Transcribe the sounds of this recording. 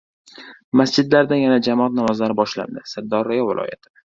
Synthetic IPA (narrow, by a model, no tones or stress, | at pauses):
masd͡ʒɪd̪laɾd̪anjanad͡ʒamɒat̪namɒzlaɾɪbɒʃla̰nd̪ɪsad̪ːɒɾːajɒvɪlˠʔɒ̰ja̰t̪ʰɪ̥